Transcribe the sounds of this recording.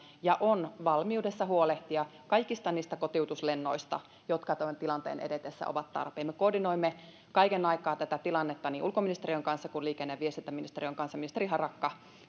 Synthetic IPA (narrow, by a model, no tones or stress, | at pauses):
jɑʔonʋɑlmiudesːɑɦuoleht̪iɑkɑikist̪ɑniːst̪ækot̪iut̪uslenːo̞ist̪ɑ̰ | jot̪kɑt̪ont̪ilɑnt̪ḛːnʔḛdet̪esːæ̰o̰ʋɑt̪t̪ɑ̰rpeːmːekoːdinoimːe | kɑikenɑikˑɑːt̪æt̪æt̪ilɑnːet̪ːɑniːʔulkominist̪erijoŋkɑnsːɑkuliːkenːeʋiest̪int̪ːæminist̪eriøŋkɑnsːɑminist̪eriɦɑrɑkːɑ